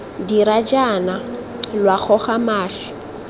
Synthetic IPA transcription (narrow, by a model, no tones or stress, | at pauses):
diɾad͡ʒana | lwaχɔχamaːɬɛ̥